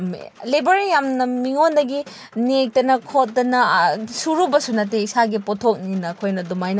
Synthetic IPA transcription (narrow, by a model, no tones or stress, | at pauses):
m̰lebɐɾijamnɐmiŋondɐɡi | nek̚tɐnɐkʰot̚dɐnɐsuɾubɐsunɐt̬eisaɡipotʰok̚ninɐkʰojnɐdumajnɐ